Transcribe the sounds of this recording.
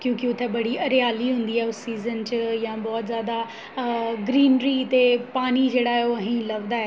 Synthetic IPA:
kjũːkiʊt̪ʰebɐɽ̤iɐɾɪjaːliɦũːnd̪iaːɦeʊsːiːzənt͡ɕjãbɔːt̪zjaːd̪a | ɡɾiːnɾit̪epaːnid͡ʑeːɽaːɦeoɐɦĩlɐʋd̪aːɦe

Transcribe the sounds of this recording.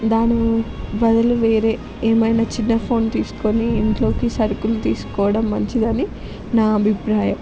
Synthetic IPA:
d̪aːnibɐd̪ɐluʋeːɾe̞ː | eːmɐjnaːt͡ʃinːɐpʰo̞ːnt̪iːsu̥ko̞niːɳʈlo̞ːkisɐɾukulut̪iːsu̥kɔːʋɐɽɐmːɐɲt͡ʃid̪ɐni | naːɐbʱipɾaːjɐm

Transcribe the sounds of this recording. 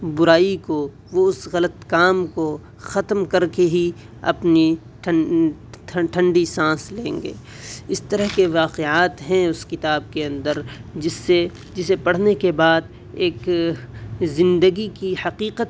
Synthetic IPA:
bʊɾaːiko | ʋoʊsɣɐlət̪kaːmko | xɐt̪mkɐɾkeɦi | ɐ̰pni | ʈʰ | ʈʰɐ̃ɳɖisãːslẽːŋɡḛː | ɪst̪ɐɾəɦkeʋaːqeaːt̪ɦɛ̃ʊskɪt̪aːb̚keɐ̃nd̪əɾd͡ʒɪsːe | d͡ʒɪsepɐɽ̤nekebaːd̪ | eːk | zɪ̃nd̪əɡikihɐqiːqət̪

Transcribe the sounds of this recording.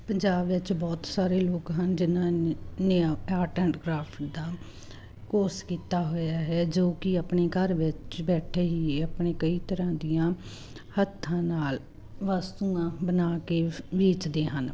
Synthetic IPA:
pəɲd͡ʒaːbʋɪt͡ʃbɔːt̪saːɾeːloːkɦənd͡ʒɪnãːnẽaːʈɛɳʈɡɾaːpʰʈd̪aː | koːskiːt̪aːɦojaːɦɛːd͡ʒoːkɪəpɳeːkəɾʋɪt͡ʃbɛːʈʰeːɦiːəpɳeːkəiːt̪əɾãːd̪ijãː | hət̪ʰːãːnaːl | ʋaːst̪uːãːbənaːkeːʋɪt͡ʃd̪eːɦən

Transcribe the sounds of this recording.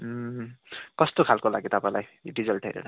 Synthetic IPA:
kʌst̪okʰalkolaɡit̪ʌpãj̃lajɖizʌlʈʰʌjɾḛna

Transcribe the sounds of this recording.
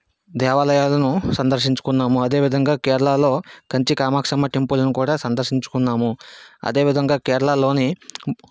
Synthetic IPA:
d̪ɛːʋaːlɐjaːlɐnusɐnd̪ɐɾʂiɲt͡ʃu̥kunːaːmuɐd̪e̞ːʋid̪ʱɐŋɡaːkɛːɾɐlaːlo̞ːkɐɲt͡ʃikaːmaːkʂɐmɐʈempulɐnukuːɽaːsɐnd̪ɐɾʂiɲt͡ʃu̥kunːaːmuɐ̰d̪e̞ːʋid̪ʱɐŋɡaːkɛːɾɐɭalo̞ːni

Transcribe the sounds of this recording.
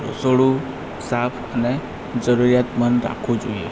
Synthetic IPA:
ɾo̰soɽu | sapʰəne | d͡ʒəɾuɾijat̪mənɾa̰kʰud͡ʒoiḛ

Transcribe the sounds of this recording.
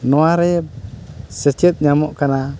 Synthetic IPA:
noaɾe | set͡ʃet̪̚ɲamoʔkana

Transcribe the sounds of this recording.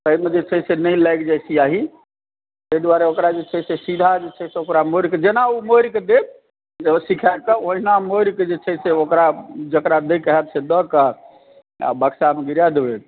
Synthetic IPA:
t̪əimed͡ʒet͡ʃʰɛsenəilaɪkd͡ʒajsiaɦi | t̪əid̪waɾeokɾad͡ʒet͡ʃʰɛsesid̪ʱad͡ʒet͡ʃʰɛseokɾamoɾked͡ʒenaumoɾked̪eb̚ | əsikʰajb̚kəoɦinamoɾked͡ʒet͡ʃʰɛseokɾad͡ʒəkɾad̪ekəɦɛt̪̚sʰed̪əka | a̰bəksameɡiɾjad̪ebet̪

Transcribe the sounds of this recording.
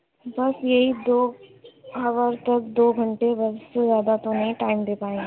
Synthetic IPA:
bɐsjɐɦid̪oː | ɦɐʋəɾt̪ɐk̚d̪oːɡʱɐ̃ɳʈebɐsezjaːd̪at̪onĩʈaːɪmd̪eːpaːẽ

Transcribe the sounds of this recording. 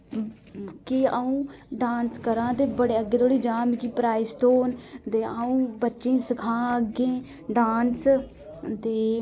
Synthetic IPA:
kɪəũːɖaːnskəɾãːt̪eːbəɽeːəɡːeːt̪ʰoːɽiːd͡ʒaːmikiːpɾaːisʈoːnt̪eːaũːbətːʃẽːsəkʰãːəɡẽː | ɖaːns | t̪eː

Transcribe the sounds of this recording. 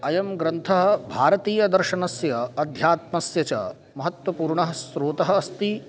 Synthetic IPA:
ɐjɐmɡɾɐnt̪ʰɐɦɐ̆bʱaːɾɐt̪iːjɐd̪ɐɾʃɐnɐsjɐːd̪ʱjaːt̪mɐsjɐt͡ʃɐ̰ | mɐɦɐt̪ʋɐpuːɾɳɐɦɐsɾoːt̪ɐɦɐ̆ːst̪i

